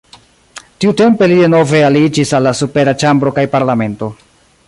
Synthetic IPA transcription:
tiute̞mpe̞lide̞no̞ve̞alid͡ʒisalːasupe̞ɾat͡ʃambɾo̞kajpaɾlame̞nto̞

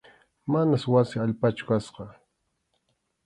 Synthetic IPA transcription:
manaswasɪaʎpat͡ʃʊ̥kasqɑ

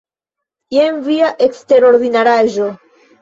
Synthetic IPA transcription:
jenviaʔe̞kste̞ɾo̞ɾdinaɾaʒo̞

